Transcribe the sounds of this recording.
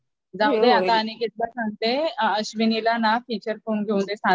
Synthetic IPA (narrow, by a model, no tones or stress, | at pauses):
d͡zawd̪eat̪aːñiɡʱet̪̚lasãŋ̚t̪eəɕʋinilanafiːt͡ɕəɾkonɡʱeũnd̪esã